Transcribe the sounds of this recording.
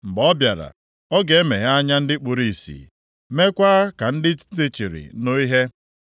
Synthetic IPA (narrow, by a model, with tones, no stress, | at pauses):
ŋ͡m̩˨ɡ͡bɔ˦bja˨ɾa̰˨ | ɔ˦ɡe˨e˦me˨ɦa˦a˦ɲa˦n̩˦dɪ˦k͡pʊ˨ɾi˨sḭ˨ | me˦kʷa˦a˦ka˨n̩˦dɪ˦t͡ʃti˦t͡ʃi˨ɾɪ̰˨no˦i˦ɦe˦